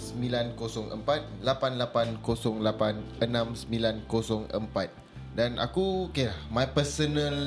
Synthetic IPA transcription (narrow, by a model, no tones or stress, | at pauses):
səmilankosɔŋə̰mpat̪̚lapanlapankosɔŋlapanənãmsəmbilankosɔŋə̰mpat̪̚ | danʔa̰kukelahmajpəsənəl